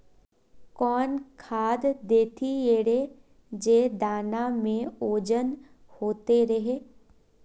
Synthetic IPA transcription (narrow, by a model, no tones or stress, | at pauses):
kɔːnkʰaːd̪d̪eːt̪ʰieːɽe | d͡ʒeːd̪aːnamẽoːd͡ʒən | hoːt̪eɾɐɦeː